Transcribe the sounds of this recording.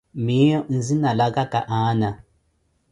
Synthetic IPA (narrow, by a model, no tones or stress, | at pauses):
mijɔn̩zinalaɡakaʔana